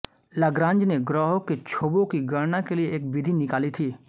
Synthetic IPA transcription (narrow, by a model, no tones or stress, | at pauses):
ləɡɾãːɲd͡ʒneɡɾɔːɦõket͡ʃʰoːbõkiɡɐɽnakelieːk̚bɪd̪ʱinɪkaːlit̪ʰiː